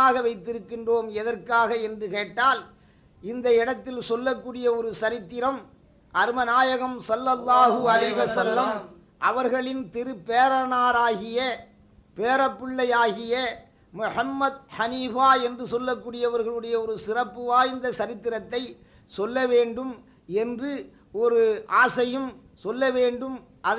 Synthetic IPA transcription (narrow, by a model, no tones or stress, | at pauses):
aːɣɐʋɐɪt̪ːɪɾɯkːɪndroːmɛðɐɾkaːɣɐɛndrɯkeːʈːaːl | ɪnd̪ɐɛɽɐt̪ːɪlsɔlːɐkːuːɽɪjɐɔɾɯsɐɾɪt̪ːɪɾɐm | ʔɐɾɯmɐnaːjɐɣɐmsɐlːɐlˠːaːɣɯɐlɐɪʋɐsɐlːɐm | ʔɐʋɐɾɣɐɭɪnt̪ɪɾɯpːeːɾɐnaːɾaːɣɪjɐ | peːɾɐpːɪɭːɐjaːɣɪjɐ | mʊħɐmːɐd̪hɐniːfaːɛndrɯsɔlːɐkːuːɽɪjɐʋɐɾɣɐɭɯɽɐjɐɔɾɯsɪrɐpːɯʋaːɪnd̪ɐsɐɾɪt̪ːɪɾɐt̪ːɐɪ | sɔlːɐʋeːɳɖɯm | ɛndrɯ | ɔɾɯʔaːsɐjɯm | sɔlːɐʋeːɳɖɯm | ʔɐ